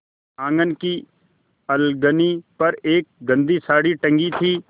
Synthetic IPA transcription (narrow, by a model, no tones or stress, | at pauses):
ãːŋɡənki | ɐlɡənipɐɾeːk̚ɡə̃nd̪isaːɽiʈɐ̃ŋɡit̪ʰiː